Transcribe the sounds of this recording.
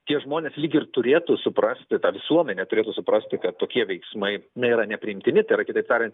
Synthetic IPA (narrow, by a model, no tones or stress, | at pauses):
t̪ʲiɛʒmoːnʲeːslʲiːɡʲɪrt̪ʊɾʲeːt̪usʊpɾɐsʲt̪ʲɪt̪ɑːʋʲɪsuɔmʲɛnʲet̪ʊɾʲeːt̪usʊpɾɐsʲt̪ʲɪkɐt̪toːkʲiɛʋʲɛɪksmɐɪnɐiːɾɐnʲɛpʲɾʲɪɪmʲt̪ʲɪnʲɪt̪ɐɪɾɐkʲɪt̪ɐɪp̚t̪ɑːɾʲɛnt̪